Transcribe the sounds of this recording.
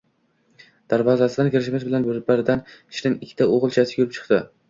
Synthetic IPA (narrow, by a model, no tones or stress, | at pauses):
d̪̥aɾvɒzasɪd̪ankʲɪɾɪʃmɪsbɪlanbɪɾbaɾd̪anɪ̥ʃnɪŋɪkʲʰːɪ̥t̪ʰaoʁɨlˠt͡ʃʰasɪ̥kʲʰʊɾɪpt͡ʃʰɨ̥qt̪ɪ